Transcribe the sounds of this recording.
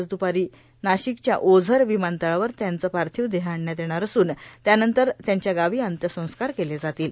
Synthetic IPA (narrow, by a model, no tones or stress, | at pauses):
d͡zd̪upaɾiː | naɕikt͡ɕja̰ʔod͡zʱəɾʋimant̪əɭaʋəɾt̪jant͡səpaɾt̪ʰiːʋd̪eɦaɳːjat̪jeɽ̃aɾəsuːnt̪janənt̪əɾt̪jaɲt͡ɕjaɡaʋiːənt̪jəsə̃w̃skaɾkeled͡zat̪iːl